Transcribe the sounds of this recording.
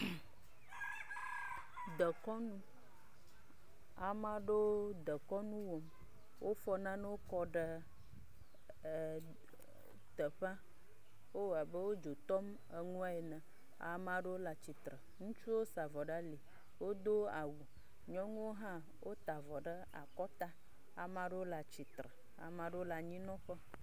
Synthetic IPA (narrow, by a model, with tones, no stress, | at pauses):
d̪ə˨kɔ˦nũ˦ | a˨mã˦ɖo˦d̪ə˨kɔ˦nũ˦wo˨m | wʔo˦fɔ˦nã˦nə˦wo˦kɔ˦ɖə˦˨ | t̪ə˨ɸã˦ | wo˦wa˨bə˦wo˦d͡ʒo˨t̪ɔ˦m | ə˨ŋũ˦a˦e˨nə̃˨ | a̰˨mã˨ɖə˦wo˦la˨t͡ɕi˨t̪ɾə˨ŋũ˦t͡ʃu˦wo˦sa˨vɔ˨ɖa˦li˨ | wo˦d̪o˦a˨wu˨ | ɲɔ̃˦ŋũ˦wo˦ɦã˦ | wo˦t̪a˨vɔ˨ɖə˦ | a̰˨kɔ˦t̪a˦ | a˨mã˨ɖə˦wo˦la˨t͡ʃi˨t̪ɾə˨ | a̰˨mã˨ɖə˦wo˦la˨ɲĩ˦nɔ̃˦ɸə˦